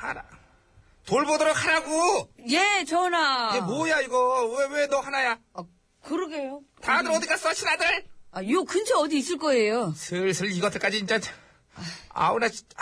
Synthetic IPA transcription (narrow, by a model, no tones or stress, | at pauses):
haɾa | toɭbodʌɾok̚hʰaɾaɡojet͡ɕʌnaiɡemojaiɡʌwewenʌhanaja | a | kɯɾɯɡejotanɯɾʌdik͈as͈ʌt͡ɕʰinadɯɭajokɯnt͡ɕʰeʌd̪iːs͈ɯɭk͈ʌejosʰɯɭsʰɯɭiɡʌtʰɯk͈ad͡ʑiint͡ɕ͈a | a̰una